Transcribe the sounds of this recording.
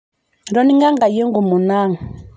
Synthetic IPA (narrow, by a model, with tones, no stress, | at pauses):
ɾɔ˦ni˦ŋa˦ŋɡa˨je˦ŋɡu˨mu˨na˦˨ŋ˨